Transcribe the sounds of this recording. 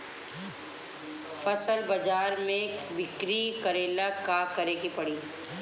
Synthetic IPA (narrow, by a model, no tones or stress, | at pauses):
fɐsəlbɐd͡ʒaːɾmẽbɪkɾikɐɾeːlakakɐɾeːɡipɐɽiː